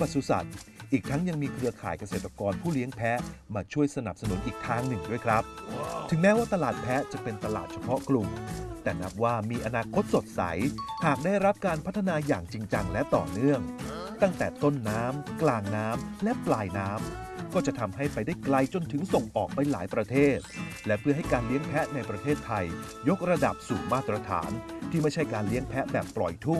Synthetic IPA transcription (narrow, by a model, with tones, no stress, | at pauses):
pa˨˧t̪su˨˧˩sa̰˨˩t̪̚ʔiː˨˩k̚t̪ʰa˦˥ŋja˧ŋmiː˧kʰɾɯ˧ɐkʰaː˩˦jka˧seː˨˩t̪ɾa˧kɔː˧npʰuː˥˩li˦˥əŋpʰɛ˦˥maː˧t͡ɕʰu˥˩əjsa˧na̰˨˩p̚sa˧nu˨˩˦nʔiː˨˩k̚t̪ʰaː˦˥ŋnɯ˨˩ŋdu˥˩əjkʰɾa˦˥p̪̚ʰɯ˩˦ŋmɛː˦˥waː˥˩t̪a˧laː˨˩t̪̚pʰɛ˦˥t͡ɕa˨˩pe˧nt̪a˧la̰ː˨˩t̪̚t͡ɕʰa˧pʰɔ˦˥klu˨˩mt̪ɛː˨˩na˦˥p̚waː˥˩miː˧ʔa˧naː˧kʰo˦˥t̪̚so˨˩t̪̚sa̰˩˦jhaː˨˩k̚daː˥˩jɾa˦˥p̚kaː˧npʰt̪ʰːa˧naː˧jaː˨˩ŋt͡ɕi˧ŋt͡ɕa˧ŋlɛ˦˥t̪ɔ̰ː˨˩nɯ˥˩əŋt̪a˥˩ŋt̪ɛː˨˩t̪o˥˩nːaː˦˥mklaː˧ŋnaː˦˥mlɛ˦˥ʔplaː˧jnaː˦˥m | kɔː˥˩t͡ɕa˨˩ʔt̪ʰa˧mɦa˥˩jpa˧jdaː˥˩jkla˧jt͡ɕo˧nt̪ʰɯ˩˦ŋso˨˩ŋʔɔː˨˩k̚pa˧jlaː˩˦jpɾa˧t̪ʰeː˥˩t̪̚lɛ˦˥pʰɯ˥˩ɦa˥˩jkaː˧nli˦˥əŋpʰɛ˦˥ʔna˧jpɾa˧t̪ʰeː˥˩t̪ʰːa˧j | jo˦˥k̚ɾa˧da˨˩p̚suː˨˩maː˥˩t̪ɾa˧t̪ʰa̰ː˩˦nt̪ʰiː˥˩ma˥˩jt͡ɕʰa˥˩jkaː˧nli˦˥əŋpʰɛ˦˥ʔbɛː˨˩pːlɔ˨˩jt̪ʰu˥˩ŋ